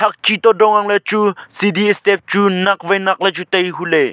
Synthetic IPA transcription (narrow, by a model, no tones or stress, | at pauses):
tʰɐk̚t͡ʃit̪ɔdɔŋɐŋlɐt͡ʃusidiɛst̪ɛp̚t͡ʃunɐk̚vɐjnɐk̚lɐt͡ʃut̪ɐjɦule